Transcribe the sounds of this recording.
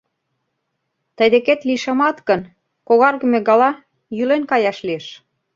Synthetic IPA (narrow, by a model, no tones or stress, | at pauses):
t̪ə̆jd̪eket̪liʃɑmɑt̪kə̆n | koɣɑrɣə̆mĕɣɑlɑ | jylenkɑjɑʃlieʃ